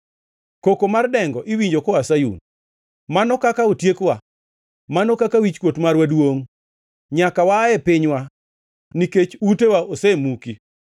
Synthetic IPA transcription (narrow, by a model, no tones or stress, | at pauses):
kokomardɛŋɡɔʔiwiɲd͡ʒokɔasajṵn | manɔkakaotjekwa | manɔkakawit͡ʃkwotmarwadwoŋ | ɲakawaɛpɪɲwa | niket͡ʃutewaʔosɛmuki